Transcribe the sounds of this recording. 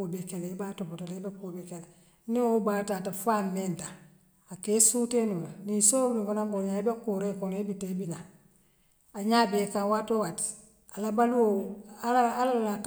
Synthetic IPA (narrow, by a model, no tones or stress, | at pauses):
obekeleibatopotalebakobekele | niobatatafamːenta | akesutenibanisoːnikanaŋkoɲaibakuɾekonebitebina | aɲaːbekawatowat | alabaluwoalalala